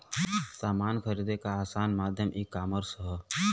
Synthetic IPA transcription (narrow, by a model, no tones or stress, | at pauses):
saːmaːnkʰəɾid̪ekaːsaːnmaːd̪ʱjəmʔiːkaːməɾsɦɔ